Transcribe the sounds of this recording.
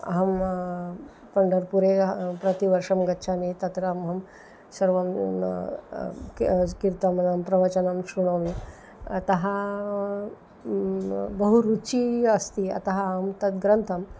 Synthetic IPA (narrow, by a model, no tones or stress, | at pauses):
ɦɐm | pəɳɖəɾpuɾepɾɐt̪iʋəɾʂɐmɡɐtːɕʰanit̪ɐt̪ɾamɦɐm | səɾʋɐm | kkiɾt̪ɐmnampɾɐʋət͡ɕənamsuɽ̃aʋḭ | t̪ɐɦa | bəɦuɾut͡ɕiəst̪iɐ̰t̪aɦaɐmt̪ɐt̪̚ɡɾənt̪ʰɐm